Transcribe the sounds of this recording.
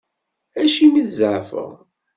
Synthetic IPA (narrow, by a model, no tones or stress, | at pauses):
æʃimiðzʕfə̰ʁ